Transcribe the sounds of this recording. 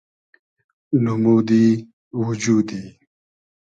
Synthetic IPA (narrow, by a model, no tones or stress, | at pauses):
numuːd̪i | wud͡ʑuːd̪iː